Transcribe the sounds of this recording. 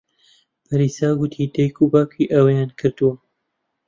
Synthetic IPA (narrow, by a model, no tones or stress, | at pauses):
pʰɐɾiːsaːɡʊt̪ʰiːd̪ɐjkʰubaːkʰiʔɐwɐjaːnkʰɨɾd̪uwɐ